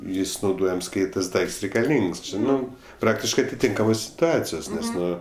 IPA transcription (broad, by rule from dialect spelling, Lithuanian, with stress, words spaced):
ˈjɪs nɐʊˈdoːjɛms ˈkɐɪ tɐs ˈdɐɪkts rʲɛɪkɐˈlʲiːŋks ˈt͡ʃʲɪ ˈnʊ ˈprɑːktʲɪʃkɜ ɐtʲɪˈtʲɪŋkɐmoːs sʲɪtʊˈɑːt͡sʲɪjoːs ˈnʲɛs ˈnʊ